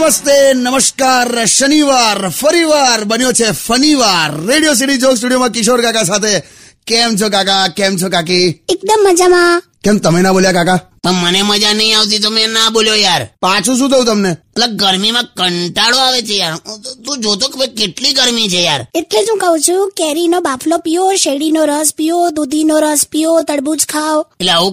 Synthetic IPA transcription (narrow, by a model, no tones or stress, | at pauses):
məst̪enəməskaɾʃəniʋaɾfəɾiʋaɾbənjot͡ʃʰefəniʋaɾːeɽijos̬iʈid͡ʒoɡs̬ʈuɽijomãkɪʃoɾkakasat̪ʰe | kɛmt͡ʃʰokakakɛmt͡ʃʰokak̬iek̚d̪əmːəd͡ʒamã | kɛmt̪əmenaboljakakapəɳməneməd͡ʒanəɦĩaʋt̪̬it̪̬omenaboljojaɾpat͡ʃʰũʃ̬ũt̪ʰəũt̪əmnemət̪ləɡ̚ɡəɾmimãkəɳʈaɽoaʋet͡ʃʰejaɾt̪ũd͡ʒot̪̬okmẽkeʈliɡəɾmit͡ʃʰejaɾet̪led͡ʒũkəɦũt͡ʃʰũkɛɾinobafʰlopijoʃeɽinoɾəspijod̪ud̪ʱinoɾəspijot̪əɽbud͡ʒkʰaweleaũ